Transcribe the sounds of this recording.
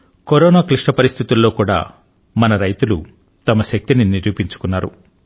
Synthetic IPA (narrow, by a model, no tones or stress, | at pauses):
koɾoːnaːkliʂʈɐpɐɾist̪ʰit̪ulːo̞ːkuːɽa̰ː | mɐnɐɾɐjt̪ulṵ | t̪ɐmɐʃɐk̚t̪ininiɾjuːpiɲt͡ʃu̥kunːaːɾṵ